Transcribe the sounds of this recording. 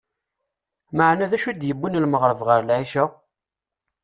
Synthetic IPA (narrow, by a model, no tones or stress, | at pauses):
məʕnæðæʃud̪jəbːinlməʁɾəvʁəɾlʕiʃa